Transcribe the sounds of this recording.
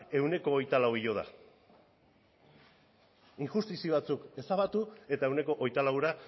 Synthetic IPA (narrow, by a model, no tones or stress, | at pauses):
e̞wne̞ko̞ːjt̪alawiʎo̞ð̞a̰ | iŋʝust̪isiβat͡suke̞saβat̪ue̞t̪ae̞wne̞ko̞ʔo̞jt̪alawɾa